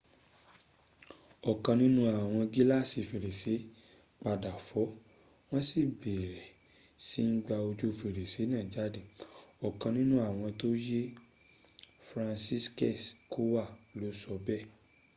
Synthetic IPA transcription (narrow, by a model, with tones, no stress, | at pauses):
ɔ˨kã˧nĩ˦nũ˦a˨w̃ɔ̃˧ɡi˦la˦˨si˨fi˨ɾe˨se˨˦ | k͡pa˧da˨fɔ˨˦ | w̃ɔ̃˦si˦˨be˨ɾɛ˨ | si˦ŋ̩˦ɡ͡ba˧o˧d͡ʒo˦˨fi˧˨ɾe˨se˨˦nãː˦˨d͡ʒa˨˦de˦˨ɔ˨kã˧nĩ˦nũ˦a˦˨w̃ɔ̃˧to˦je˦ | fɾã˧nsi˦skɛ˦˨sko˦wa˦˨lo˨˦sɔ˧bɛ˦˨